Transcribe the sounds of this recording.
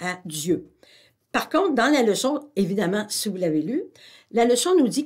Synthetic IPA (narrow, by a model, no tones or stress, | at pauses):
ad͡zjø | paʁkɔ̃t̪̚d̪ɑ̃laləsɔ̃evid̪amɑ̃sivulavely | laləsɔ̃nud͡zi